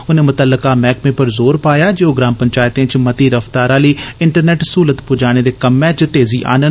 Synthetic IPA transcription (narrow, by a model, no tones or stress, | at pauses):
ʊnẽːmʊt̪əlːəkaːmɛːkmẽːpəɾzoːɾpaːjaːd͡ʒeoːɡɾaːmpəɲt͡ʃaːjt̪ẽːt͡ʃmət̪iːɾəft̪aːɾãːləiːɪɳʈəɾnɛːʈsuːlət̪pʊd͡ʒaːɽ̃eːd̪eːkəmːɛ̃ːt͡ʃt̪eːziːʔa̰ːnən